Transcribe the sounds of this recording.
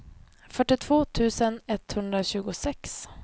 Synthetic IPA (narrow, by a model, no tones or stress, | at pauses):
fœʈɪt̪ʰv̥oːt̪ʰʉ̟ːsənɛt̪hɵnd̪ɾaɕʉ̟ːɡʊsɛks